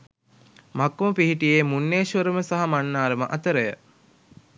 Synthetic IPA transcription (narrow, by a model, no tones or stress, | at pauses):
makːuməpiɦiʈijeːmunːeːʃʋəɾəməsaɦamanːaːɾəməʔɐt̪əɾəjə